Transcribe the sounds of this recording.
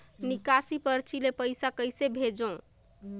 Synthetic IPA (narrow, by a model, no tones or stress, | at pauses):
nikasipəɾt͡ʃʰilepəjsakəjsebʱed͡ʒõ